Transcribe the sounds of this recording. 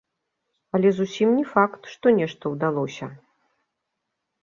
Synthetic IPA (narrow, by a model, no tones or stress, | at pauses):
ɐlʲɛzusʲimnʲɛfakt̪ʂt̪ɔnʲɛʂt̪ɐwd̪alˠɔsʲɐ